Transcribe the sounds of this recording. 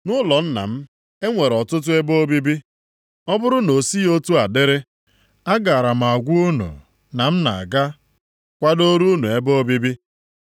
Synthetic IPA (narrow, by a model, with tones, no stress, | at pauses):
nʊ˦lɔ˨n̩˦na̰˨m̩˦ | e˦ŋʷe˨ɾɔ˨tʊ˦t̬ʊ˦e˦bo˦bi˦bi˦ | ɔ˦bʊ˦ɾʊ˦no˨si˦o˦tu˦a˨dɪ˦ɾɪ˦ | a˦ɡa˨ɾa˨m̩˨a˨ɡʷu˦u˦nṵ˨ | na˨m̩˦na˨a˨ɡa˦ | kʷa˦do˦ɾu˦nu˨e˦bo˦bi˦bi˦